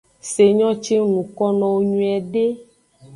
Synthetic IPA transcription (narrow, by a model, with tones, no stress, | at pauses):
se˨ɲɔ̃˦t͡ʃe˦nũ˨kɔ˦nɔ̃˨wo˦ɲũ˦ɛ˨ɖe˦